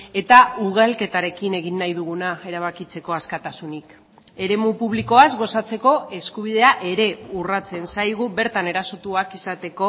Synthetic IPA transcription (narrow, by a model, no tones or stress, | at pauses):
e̞t̪auɣ̞alke̞t̪aɾe̞kine̞ɣinːajð̞uɣ̞unae̞ɾaβ̞akit͡se̞ko̞askat̪asunik | e̞ɾe̞mupuβliko̞azɣo̞sat͡se̞ko̞e̞skuβ̞ið̞e̞aʔe̞ɾe̞urat͡se̞nsajɣuβe̞ɾt̪ane̞ɾaso̞t̪uakisat̪e̞ko̞